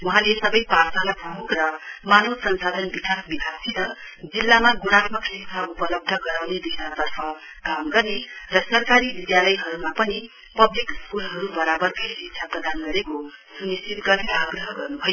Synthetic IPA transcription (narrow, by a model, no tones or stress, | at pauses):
wuɦãlesʌbʌjparsalabʱukrʌmanosʌnsad̪ʱʌnbikasbibʱasʰit̪ʌ | d͡zilːamaɡunat̪̚mʌksisʰaupʌlʌb̚d̪ʱʌɡʌɾawneb̪isat̪ʌrpʰʌ | kamɡʌrnerʌsʌrkaɾibid̪jalʌjɦʌɾumapʌni | pʌblikskulɦʌɾubʌɾabʌrkʌjsiksʰaprʌd̪anɡʌɾekosunisit̪ɡʌreaɡrʌɦʌɡʌrnubʱʌjo